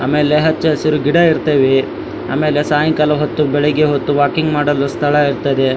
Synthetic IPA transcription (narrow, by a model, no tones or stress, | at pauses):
a̰ːmeːleɦɐt͡ʃːɐɐsiɾuɡiɽɐiɾt̪eːʋe | a̰ːme̞ːlesaːjɐŋkɐlɐɦot̪ːubɛɭeɡeɦot̪ːuʋaːkiŋɡmaːɽɐlːust̪ʰɐɭɐiɾt̪ɐd̪e